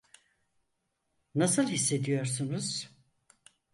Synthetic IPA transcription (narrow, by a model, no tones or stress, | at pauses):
nasɯlˠhisːe̞d̪ijo̞ɾsunuz̥